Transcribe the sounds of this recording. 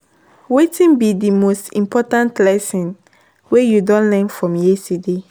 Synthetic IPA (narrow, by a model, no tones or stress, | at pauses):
wetĩnbidimostḭ̃mpɔtãntlɛsɔ̃n | wejudɔ̃nlɛ̃nfɹɔ̃mjeside